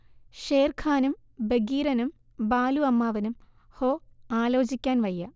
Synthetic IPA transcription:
ʂeːrkʰaːnum | beɡiːɾɐnum | baːluɐmːaːʋɐnum | hoːaːlo̞ːd͡ʑikʲːaːnʋɐjːɐ

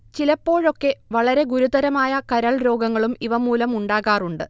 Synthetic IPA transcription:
t͡ɕilɐpːo̞ːɻo̞kːe̞ʋɐɭɐɾe̞ɡuɾud̪ɐɾɐmaːjɐkɐɾɐɭɾo̞ːɡɐŋːɐɭumiʋɐmuːlɐmuɳɖaːɣaːruɳɖɨ

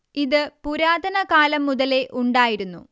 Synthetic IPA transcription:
iðɨpuɾaːd̪ɐnɐkaːlɐmːuðɐle̞ʔuɳɖaːjiɾunːṵ

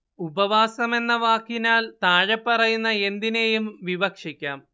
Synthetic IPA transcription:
ubɐʋaːsɐme̞nːɐʋaːkːinaːlt̪aːɻepːɐrɐjunːɐe̞nd̪ine̞jumʋibɐkʂikʲːaːm

